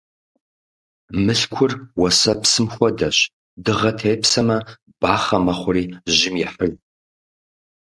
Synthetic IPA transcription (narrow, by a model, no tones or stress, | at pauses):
mɨɬkʷʰʊrwɐsɐpsɨmxʷɔdɐɕ | dɨʁɐtʰeːpsɐmɐ | b̥aːχɐmɐχʷʊriːʑɪmjɛħər